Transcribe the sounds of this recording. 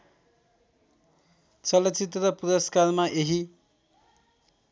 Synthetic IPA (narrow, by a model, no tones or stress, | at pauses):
t͡sʌlʌt͡sit̪rʌpuɾʌskarmaʔeɦi